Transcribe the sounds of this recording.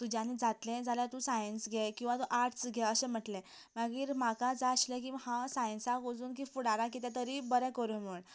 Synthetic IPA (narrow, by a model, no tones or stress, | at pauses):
t̪ud͡ʑjanid͡zat̪lẽd͡zaljat̪ũsajənsɡʱɛkĩw̃ʋat̪ũʔaɾʈsɡʱɛəɕẽm̤əʈlẽ | maɡiːɾmakad͡zaəɕlẽk̬ihãsajənsaɡod͡zuːnk̬ifuɽaɾak̬it̪at̪əɾibəɾɛ̃kəɾum̤əɳ